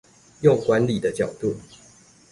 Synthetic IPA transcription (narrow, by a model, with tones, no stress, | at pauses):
jo˥˨ŋkwa˧˦nli˨˩d̪ə˦t͡ɕjɑ˨˩ʊt̪u˥˨